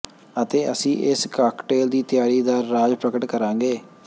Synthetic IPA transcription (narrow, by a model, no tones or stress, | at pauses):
ət̪eːʔəsĩːʔɪskaːkʈeːld̪iːt̪ɪjaːɽiːd̪aːɾaːd͡ʒpɾəkəʈkəɾãːŋɡeː